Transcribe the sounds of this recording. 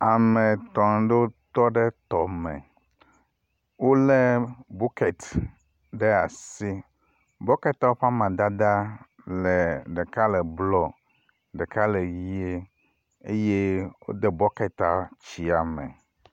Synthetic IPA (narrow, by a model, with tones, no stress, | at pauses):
a˨mẽ˨t̪ɔ˨n˦ɖe˦wo˦t̪ɔ˦ɖɛ˦t̪ɔ˨mɛ̰̃˨ | wo˦lɛ˦bu˦ke˨t | ɖɛ˦a̰˨si˦ | bɔ˦ke˦t̪a˦wo˦ɸa˦mã˨d̪a˦d̪a˦ | lɛ˨ɖɛ˨ka˦lɛ˨blɔ˦˨ | ɖɛ˨ka˦le˨wi˦e˦ | e˦je˦wo̰˦d̪e˦bɔ˦kɛ˨t̪a˨t͡ɕi˨a˨mɛ̰̃˨